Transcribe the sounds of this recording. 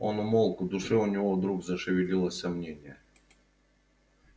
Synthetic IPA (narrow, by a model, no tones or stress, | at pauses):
o̞nʊmolˠkʊd̪ʊʂɛʊnʲɪvod̪ɾuɡzəʂɨvʲɪlʲilˠəsʲsɐmnʲenʲɪjə